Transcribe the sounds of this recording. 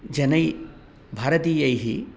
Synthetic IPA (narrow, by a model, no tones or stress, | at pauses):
d͡ʒɐnɐj | bʱaːɾɐt̪iːjɐjɦi